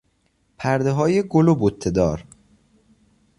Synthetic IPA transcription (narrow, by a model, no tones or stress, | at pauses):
pʰæɾd̪eɦɒːjeɡolobot̪ʰːed̪ɒ̰ːɾ